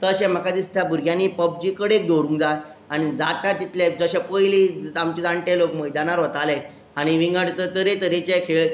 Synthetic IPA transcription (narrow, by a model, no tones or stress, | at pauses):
t̪əɕɛ̃m̤əkad̪ist̪ʰjabuɾɡʱjãnːiːpəb̚d͡ʑiːkəɽek̚d̪oɾũŋkd͡za | aɽ̃id͡zat̪jat̪it̪led͡zəɕɛpəjliamt͡ɕed͡zaɳʈelokməjd̪anaɾɦət̪ale | aɽ̃iʋiŋɡəʈt̪ət̪əɾet̪əɾet͡ɕɛkʰeɭ